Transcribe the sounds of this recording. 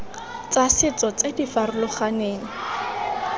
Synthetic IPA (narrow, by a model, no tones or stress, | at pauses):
t͡sasɪt͡sɔt͡sedifarʊlʊχaneːŋ̩